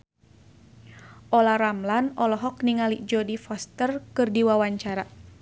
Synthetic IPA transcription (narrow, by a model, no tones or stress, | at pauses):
ʔɔlaɾamlanɔlɔɦɔk̚niŋalid͡ʒɔdifɔst̪ərkɨrdiwawaɲt͡ʃaɾa